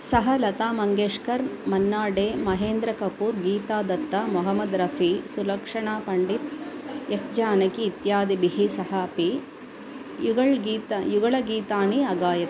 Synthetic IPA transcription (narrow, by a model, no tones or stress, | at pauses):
sɐɦɐlɐt̪aːmɐŋɡeːʂkɐɾmɐnːaːɖeːmɐɦeːnd̪ɾɐkɐpuːɾɡiːt̪aːd̪ɐt̪ːɐmɔɦɐmɐd̪ɾɐfʰisulɐkʂɐɳaːpɐɳɖit̪jɐsd͡ʒaːnɐkiːt̪jaːd̪ibiɦisɐɦɐɐpi | juɡɐɭɡiːt̪ɐjuɡɐɭɐɡiːt̪aːniɐɡaːjɐt̪